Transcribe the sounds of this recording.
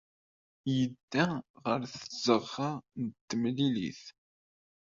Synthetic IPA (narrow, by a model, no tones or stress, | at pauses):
jəd̪ːæʁəɾθəz̥əʁːanət̪ːəmlilḭθ